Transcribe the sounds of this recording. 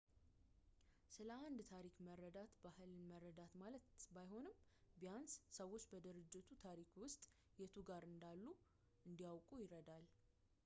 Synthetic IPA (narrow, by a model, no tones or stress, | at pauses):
sɨləand̪t̪ʰaɾikməɾːəd̪at̪bahɨlməɾːəd̪at̪malət̪bajho̞nɨmbijanssəwo̞t͡ʃːbəd̪ɨɾɨd͡ʒːɪt̪ʰut̪ʰaɾikwʊst̪ʼ | jɛt̪ʰuɡaɾɨnd̪alːu | ɨnd̪ijawkʼujɪɾəd̪al